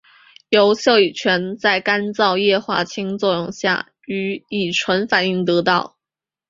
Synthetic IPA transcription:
jo˧˥ʊɕjɑ˥˩ʊi˨˩t͡ɕʰɥɛ˧˥nt͡sa˥˩ɪka˥nt͡sɑ˥˧ʊjɛ˥˧xwa̰˥˩t͡ɕʰi˥ŋt͡swɔ˥˧jʊ˥˧ŋɕja̰˥˩ | y˧˥i˨˩ʈ͡ʂʰwə˧˥nfa˨˩ni˥˩ŋt̪ɤ˧˥t̪ɑ˥˩ʊ

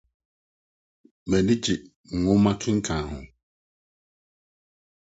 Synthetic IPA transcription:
mɛ̃˨nĩ˦d͡ʑɪ˨ | ŋ̩˨ŋʊ̃˦mã˦kʰɪ̃˦ŋ̩˦kʰã˨hʊ̰̃˨

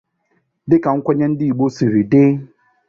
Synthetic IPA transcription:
dɪ˦ka˨ŋ̩˦kʷa˦ɲɛ˦n̩˦dɪ˦i˨ɡ͡bo˦si˨ɾi˨dɪ˦

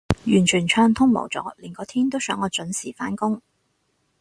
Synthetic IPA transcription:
jyː˨˩nt͡ʃʰyː˨˩nt͡ʃʰœː˧ŋt̪ʰʊ˥ŋmo̰˨˩wt͡sɔ̰ː˨˥liː˨˩nkɔː˨˧t̪ʰiː˥nt̪o˥wsœː˨˥ŋɔː˨˧t͡sɵ˨˥nsiː˨˩faː˨˥nkʊ˥ŋ

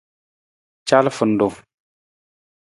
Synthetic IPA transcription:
t͡ʃa˦lfu˨n˨du˨

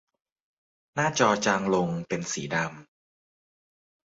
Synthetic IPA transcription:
naː˥˩t͡ɕɔː˧t͡ɕaː˧ŋlo˧ŋpe˧nsḭː˩˦da˧m

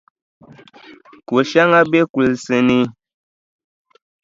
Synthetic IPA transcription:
ku˨ʃa˦ŋa˦be˦ku˨lsɨ˨ni˦

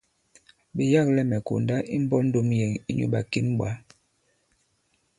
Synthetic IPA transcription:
be˨ja˦˨klɛ˦mɛ˨ko̰˨nda˦ʔi˦m˦bɔ˦n̩˦do˦mjɛ˨ŋi˦ɲṵ˦ɓa˨ki˦nɓwa˨˦

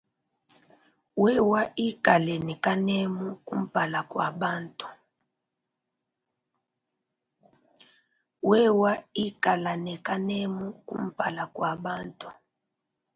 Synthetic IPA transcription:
wɛ˦wa˦ʔi˦ka˨lɛ˨nɛ˨ka˦nɛ˦mu˦kṵ˦m̩˦˨pa˨la˨kwa˨ɓa˦ntu̥˨ | wɛ˦wa˦i˦ka˨la˨nɛ˨ka˦nɛ˦mu˦kṵ˦m̩˦˨pa˨la˨kwa˨ɓa˦ntu̥˨

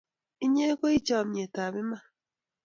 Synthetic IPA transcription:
i˦ɲe˦ko˦i˦t͡ʃa˨mi˨e˨ta˨βɪ˦ma˦

